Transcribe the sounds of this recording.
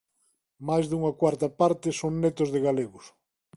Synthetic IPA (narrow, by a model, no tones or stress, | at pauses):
majzðuŋɐkwaɾt̪ɐpaɾt̪ɪsoŋnet̪ʊzðeɣaleɣʊs